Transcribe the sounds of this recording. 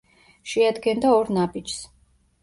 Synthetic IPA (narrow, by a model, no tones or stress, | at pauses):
ʃɛad̪ɡɛnd̪aɔɾnabid͡ʒs